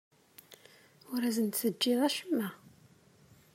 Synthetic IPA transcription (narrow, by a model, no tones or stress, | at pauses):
ʊɾæzənt̪θəd͡ʒːɪðˤæʃəmːæ